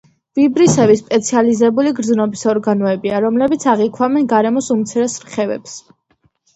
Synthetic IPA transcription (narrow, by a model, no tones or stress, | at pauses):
v̥ibɾisɛvispʼɛt̪sʰializɛbuliɡɾd̪znɔbisɔɾɡanɔɛbiaɾɔmlɛbit̪sʰaʁikʰwamɛnɡaɾɛmɔsumt̪sʰiɾɛsɾχɛvɛ̰ps